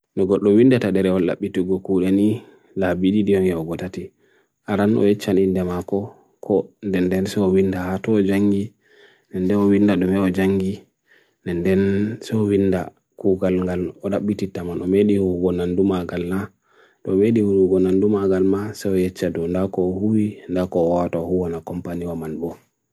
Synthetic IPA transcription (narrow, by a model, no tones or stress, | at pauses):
nɔɡɔɗːɔwindataɗɛɾɛɔla̰ɓːituɡɔkuɗɛni | labiɗidiɔŋɡɛɔɡɔtati | ʔaɾanʔɔ̰jɛt͡ʃːanindɛmakɔ | kʰɔndɛndɛnsɛɔwindahatɔːd͡ʒaŋɡi | nɛndɛnɔwindaɗɔmɛɔd͡ʒaŋɡi | nɛndɛnsɛɔwinda | kuɡalŋɡalɔɗaɓːititamanɔmeɗihuɾuɡɔnandumaɡalna | ɗɔmeɗihuɾuɡɔnandumaɡalmasɛɔjɛt͡ʃːadɔndakɔːhuwindakɔːwaataɔhuwanakɔmpaniwamanbɔ